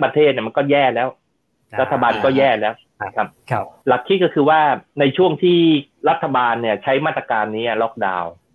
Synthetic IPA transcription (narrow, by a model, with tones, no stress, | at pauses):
pɾa˧t̪ʰeː˥˩t̪̚ni˥˩ma˧nkɔː˥˩jɛː˥˩lɛː˦˥w | ɾa˦˥t̪ʰːa˧baː˧nkɔː˥˩jɛː˥˩lɛː˦˥w | kʰa˦˥p̚la˨˩kʰːi˦˥t̪̚kɔː˥˩kʰɯː˧waː˥˩na˧jt͡ɕʰu˥˩əŋt̪ʰiː˥˩ | ɾa˦˥t̪ʰːa˧baː˧nːi˥˩ɐt͡ɕʰa˦˥jmaː˥˩t̪ɾa˧kaː˧nːiː˦˥a˥˩lɔː˥˩k̚da̰ː˧w